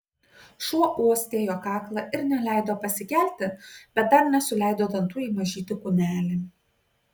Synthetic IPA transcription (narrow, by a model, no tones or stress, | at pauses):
ʃuɔʔuɔsʲt̪ʲeːjoːkɑːklˠɐʔɪɾnʲɛlʲæˑɪd̪oːpɐsʲɪkʲæˑlʲt̪ʲɪbʲɛt̪̚d̪ɐɾnʲɛsʊlʲɛˑɪd̪oːd̪ɐnt̪uːiːmɐʒʲiːt̪ʲɪkʊnʲæːlʲɪ